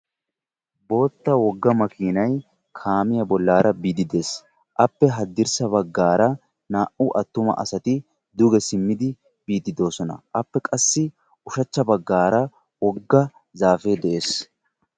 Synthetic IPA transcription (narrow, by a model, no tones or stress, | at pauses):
bo̞ːt̪ːɐwɔɡːɐmɐkʰiːnɐj | kʰaːmɪjɐbɔlːaːɾɐbiːd̪ɪd̪e̞ːs | ʔɐpːɛɦɐd̪ːɪɾsɐbɐɡːaːɾɐ | naːʔʊʔɐt̪ːʊmɐ̰ʔɐ̰sɐt̪ɪ | d̪ʊɡɛsɪmːɪd̪ɪ | b̥iːd̪ɪd̪o̞ːsɔnɐ̰ʔɐpːɛkʼɐsːɪ | ʊʃɐt͡ʃːɐbɐɡːaːɾɐ | wɔɡːɐ | zaːfeːd̪ɛʔe̞ːs